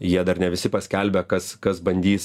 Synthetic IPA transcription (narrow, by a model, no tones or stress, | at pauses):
jiɛd̪ɐɾnʲɛʋʲɪsʲɪpɐsʲkʲɛlʲbʲɛkɐskɐsbɐnʲd̪ʲiːs